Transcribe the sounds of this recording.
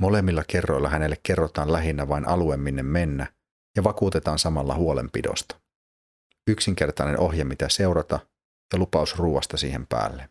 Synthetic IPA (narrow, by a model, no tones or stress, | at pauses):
mo̞le̞mːilːɑke̞rːo̞jlːɑɦæne̞lːekːe̞rːot̪ɑːnlæɦinːæʋɑinʔɑluemːinːemːe̞nːæ | jɑʋɑkuːt̪e̞t̪ɑːnsɑmɑlːɑ̰huole̞̰mpido̞̰st̪ɑ̥ | yksiŋk̟e̞rt̪ɑjne̞nʔo̞ɦjɑmit̪æse̞uɾɑt̪ɑ | jɑlupɑusruːʋɑst̪ɑsḭːhe̞mpæ̰ːlːe